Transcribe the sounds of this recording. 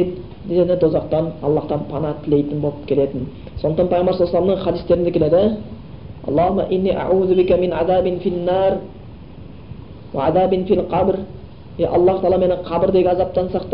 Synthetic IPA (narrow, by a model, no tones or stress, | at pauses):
d̪eenɪd̪ozɑqt̪ɑnɑ̰lˠːɑht̪ɑnpʰɑnɑt̪ʰɪle̞jt̪ɪnbo̞lˠəp̚kʲʰe̞le̞t̪ɪn | sond̪ət̪ɑnpʰɑjomɑɾsolˠslˠɑmnəɴχɑd̪ist̪e̞ɾɪnd̪ɪkʲʰele̞d̪ɪ | ɑ̰lˠːɑːhʊmːa̰ʔɪnːiʔa̰ʕuːðʊbɪkʲæmɪnʕaðæːbɪnfinːɑɾ | wa̰ʕaðæːbɪnfilqʰɑbɾ | jeʔɑlˠːɑht̪ɑlˠɑme̞nɪqʰɑbəɾd̪eɡʲenɑzɑp̚t̪ɑnsɑq̚t̪